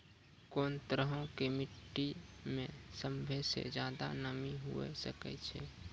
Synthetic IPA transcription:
koːnt̪ɾəɦõkemiʈːimẽsəmbʱesḛd͡ʒjaːd̪anəmiɦṵḛsəkɛ̰t͡ʃʰɛ

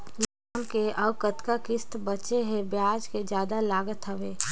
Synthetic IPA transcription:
laːmkeʔəbkət̪kakɪst̪bət͡ʃeɦebjaːd͡ʒked͡ʒjaːd̪alaːɡət̪ɦəʋeː

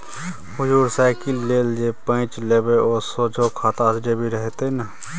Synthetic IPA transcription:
hʊd͡ʒuːɾsaːɪkilːeːld͡ʒepə̃ɪ̃t͡ʃleːbeoːsoːd͡ʒʱokʰaːt̪aəsɖebʱiɾəɦt̪ena

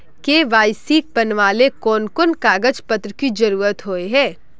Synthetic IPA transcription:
keʋaːjsiːk̚pɐnʋaːlekɔːnkonkaːɡəd͡ʒpət̪ɾəkid͡ʒɐɾuːɾət̪ɦoːeɦɛː

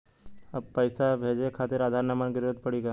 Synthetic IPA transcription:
əpəjsabʱed͡ʒekʰat̪iɾad̪ʱaɾnamanɡɪɾd̪ət̪pəɽiːɡa

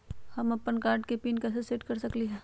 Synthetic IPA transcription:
hɐmɐpːənkaːɾɖkepiːnkɐsesɪʈkɐɾsɐkliɦɛː

